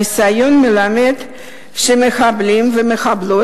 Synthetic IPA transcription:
isajo̞nmelamed̪ | ʃemeχablimvemeχablo

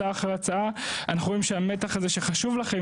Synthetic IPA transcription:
aχeat͡saaanaχuʁoimʃeame̞t̪aχaze̞ʃe̞χaʃuvlaχe̞

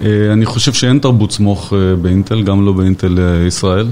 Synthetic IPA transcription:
eaniχo̞ʃevʃeent̪aʁbutsmo̞χebeint̪elɡamlo̞beint̪eleisʁae̞l

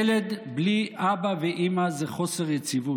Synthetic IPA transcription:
led̪bliʔabaveʔimazeχo̞seʁjet͡sivu

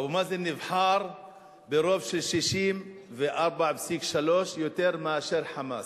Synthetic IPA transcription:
mazenɪvħɑːɾˤ | beɾobʃelʃiʃiːmveʔɑɾˤbaʕbsikʃaloːʃjot̪eɾmaʕaʃeɾħama̰ːs

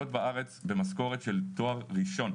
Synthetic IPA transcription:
ot̪baaʁe̞t͡sbe̞masko̞ʁet̪ʃe̞lt̪o̞aʁʁiʃo̞n

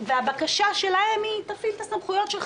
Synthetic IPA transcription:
veabakaʃaʃe̞laemit̪afilt̪asamχujo̞t̪ʃel

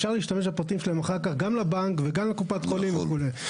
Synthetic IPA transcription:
fʃaʁliʃtame̞ʃ̬bapʁat̪imʃelaemaχaʁkaχɡamlabaŋkveɡamlekupat̪χolimveχulej

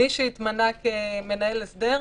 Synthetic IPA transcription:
iʃiːt̪manakeme̞naelesde̞ʁ

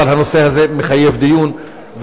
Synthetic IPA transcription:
alhanose̞hazemeχajevd̪ijun | v

